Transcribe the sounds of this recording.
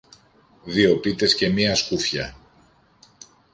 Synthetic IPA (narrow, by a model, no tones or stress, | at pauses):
ðio̞pit̪e̞sce̞miɐskufçɐ̰